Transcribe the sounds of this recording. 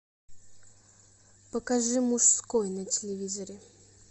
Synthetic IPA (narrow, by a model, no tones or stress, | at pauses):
pəkaʐɨmuʂskojnətʲɪlʲɪvʲizəɾʲɪ